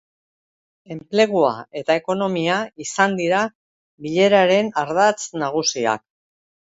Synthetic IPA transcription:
e̞mple̞ɣ̞ua̰e̞t̪ae̞ko̞no̞miaisand̪iɾa | βiʎe̞ɾaɾe̞naɾðat͡snaɣ̞usia̰k̚

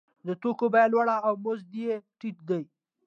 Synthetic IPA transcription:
d̪ət̪okobajalwaɽaːwmozd̪ijeʈit̪̚d̪əj

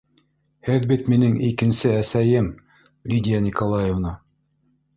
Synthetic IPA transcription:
hɘðbit̪minɘŋikɘ̆nsɘæsæjɘm | lʲid̪ʲijanʲikolˠɑjevnɑ

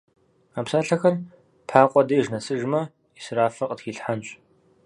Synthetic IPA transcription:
aːpsaːɬɐxɐr | pħaːqʷʼɔdɐʒnɐsɨʒmɐ | isɨɾaːfɐqʼətxiːɬħanɕʼ

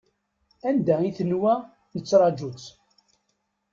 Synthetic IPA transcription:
ænd̪æiθənwæ | nət͡sːɾˤɑd͡ʒut͡s

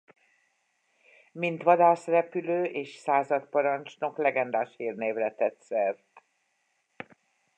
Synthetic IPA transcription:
mint̪ʋɒd̪aːsrɛpyløːʔeːʃsaːzɒt̪pɒɾɒnt͡ʃno̞klɛɡɛnd̪aːʃhiːrneːvlɛt̪ɛt̪sɛrt̪

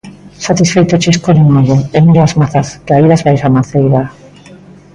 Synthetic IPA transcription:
sat̪isfejt̪ot͡ʃeskoðinoðoemiɾoazmaθaskaiðazβajsamaθejða

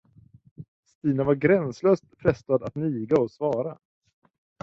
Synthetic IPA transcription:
st̪iːnavaɾɡɾɛnsløːst̪pʰɾɛst̪ad̪at̪nyːɡaɔsvɑːɾa

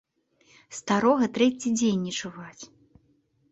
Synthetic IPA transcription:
st̪aɾɔɣɐt̪ɾɛt͡sʲid͡zʲenʲːɛt͡ʂuvat͡sʲ

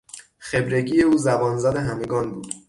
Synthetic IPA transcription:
xe̞bɾe̞ɟiːje̞uːzæbɒːnzæd̪eɦæmeɡɒːnbuːd̪̥

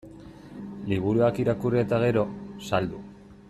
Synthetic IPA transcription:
liβ̞uɾuakiɾakuriet̪aɣ̞e̞ɾo̞sald̪u

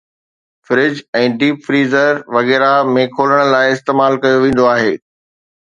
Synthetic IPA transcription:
fɪɾɪd͡ʑɛ̃ːɖiːpfɾiːzəɾʋɐɣɛːɾamẽkʰoːləɽ̃laːɪɪst̪eːmaːlkɐjoʋẽːn̆d̪oaːɦeː

